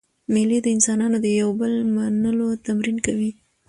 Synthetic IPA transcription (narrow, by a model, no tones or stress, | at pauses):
meled̪əɪnsɑnɑnod̪əjawbəlmanəlot̪amɾinkawi